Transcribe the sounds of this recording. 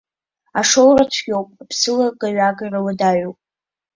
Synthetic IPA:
aʂowrat͡ʃʷʰɡʲowpʼpʰsɨlaɡaɥaɡarawadaɥopʼ

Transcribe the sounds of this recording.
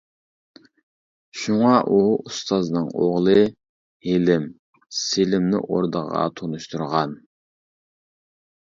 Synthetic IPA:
ʃuŋɑʔuust̪ʰɑznɨŋoʁlˠɨ | helɪm | selɪmnɪ̰ʔoɾd̪əʁɑ̰t̪ʰonuʃt̪ʰuɾʁɑn

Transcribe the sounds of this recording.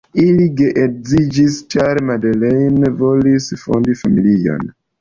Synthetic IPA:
iliɡeʔek̚zid͡ʒist͡ʃaɾmadelejnvo̞lisfo̰ndifamilia̰n

